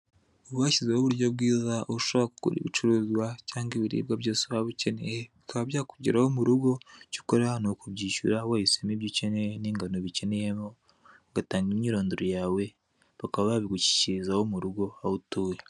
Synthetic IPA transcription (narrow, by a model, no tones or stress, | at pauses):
oβaːcizehoβuɾjobɡiːzaʔouʃoβɾaku̥kṵɾḭβit͡ʃuɾuːzwacaːŋɡiβiɾḭːbɡaβjoːsuβaβice̞ne̞jeβikaβaβjaːkuɟiɾahomuɾuɡo̞ci̥koɾeanokuβɟiːʃṵɾawajisemiβjiceneniːŋɡanoβice̞nejemo | ɡataːŋɡimɲiːɾo̞ːndoɾojaːwe̞ | βakaβaβaβiɡuci̥cizawomuɾuɡo̞ahutuːje